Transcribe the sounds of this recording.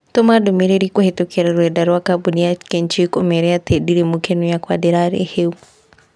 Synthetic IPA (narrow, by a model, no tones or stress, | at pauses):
tɔmadomeɾeɾikohetokʰɛɾaɾwɛdaɾwakabuniakɛnt͡ʃikomɛɾɛatʰɛdiɾemukenujakwadɛɾaɾḛheu